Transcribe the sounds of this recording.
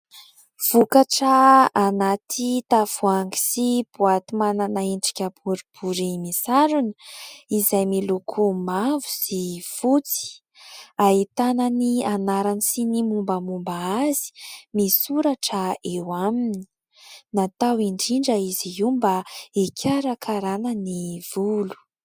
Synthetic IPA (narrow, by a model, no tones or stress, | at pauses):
v̥ukaʈ͡ʂaːnat̪ʰit̪av̥uaŋɡi̥sib̥uat̪imananaeɳɖ͡ʐi̥kʲəbuɾib̥uɾimisaɾunəizajmilukʰumavu̥sifut͡si̥ | aɦit̪ananianaɾanisinimumbəmumbaazi̥misuɾaʈ͡ʂəewamini̥ | nat̪awiɳɖ͡ʐiɳɖ͡ʐəiziimbaekʲʰaɾakʰaɾanəniv̥ulu̥